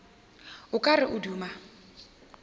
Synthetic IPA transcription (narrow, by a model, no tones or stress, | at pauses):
ʊkʼarɪʔʊduːma